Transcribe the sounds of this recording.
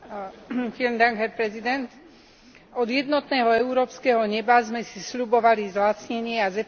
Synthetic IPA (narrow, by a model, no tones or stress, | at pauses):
filmd̪aŋɡɦɛɾpɾɛzid̪ɛnt̪ | ɔd̪jɛd̪nɔt̪nɛːɦɔɛuɾɔːpskɛɦɔɲɛbazmɛsisʎubɔʋalizlat͡sɲɛɲɪɛazɛ